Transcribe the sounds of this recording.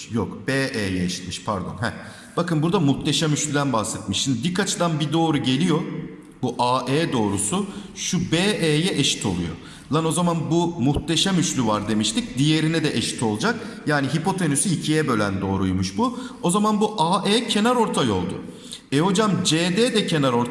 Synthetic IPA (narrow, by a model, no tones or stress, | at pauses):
jokb̥eːʔeːjɛeʃi̥t̪mi̥ʃpʰæɾd̪o̞̰nɦɛ | b̥akɯnbuɾd̪amuht̪ʰeʃamyʃlʲyd̪ænbahsɛt̪̚miʃind̪bikʰat͡ʃʰɯd̪anbid̪o̞ːɾuɟe̞lʲijo̞ | buʔaːʔeːd̪o̞ːɾusuʃubeːʔeːjɛʔeʃi̥t̪ʰo̞lˠṵjo̞̰ | lˠano̞zamanbumuxt̪eʃamyʃlʲyvaɾd̪e̞miʃt̪ic̚d̪ije̞ɾinɛd̪ɛʔeʃi̥t̪ʰo̞lˠd͡ʒakjaːniɦipo̞t̪ʰenysyicʰijɛbø̞lʲæ̰nd̪o̞ːɾujmuʃbuo̞zamanbuʔaːʔeːcʰe̞naɾo̞ɾt̪ʰajo̞̰lˠd̪ʊ̰ | eo̞d͡ʒamd͡ʒeːd̪ɛːd̪ɛcʰe̞naɾo̞ɾ